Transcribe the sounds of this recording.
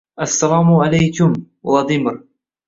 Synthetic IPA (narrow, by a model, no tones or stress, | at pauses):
ʔasːalaːmʕalajkʊmwlɑd̪ˤɪmɾ